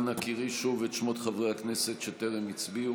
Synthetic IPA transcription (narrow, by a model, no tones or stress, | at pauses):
nakiʁiʃuvetʃmotχavʁehaknesetʃeteʁemit͡sbiu